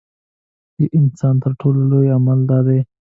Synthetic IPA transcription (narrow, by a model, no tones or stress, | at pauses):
d̪əʔɪnsɑnt̪əɾʈʰololojamald̪ɑːd̪e